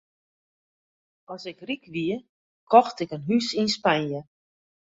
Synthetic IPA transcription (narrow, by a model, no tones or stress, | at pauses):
ɔsɪkrikʋiə | kʰɔxtɪkənɦysinspanjə